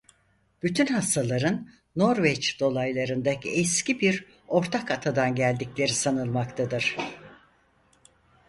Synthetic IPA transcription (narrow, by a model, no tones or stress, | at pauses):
b̥yt̪ʰynhast̪ʰalˠaɾɯnː | o̞ɾvɛt͡ʃd̪̥o̞lˠajlˠaɾɯnd̪akɛscibiɾ | o̞ɾt̪ʰakat̪ʰad̪anɟælʲd̪iclʲe̞ɾisanɯlˠmakt̪ʰad̪ɯɾ̥